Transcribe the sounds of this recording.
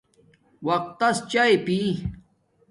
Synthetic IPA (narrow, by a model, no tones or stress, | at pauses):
wɐq̚t̪ːɐst͡ɕaepi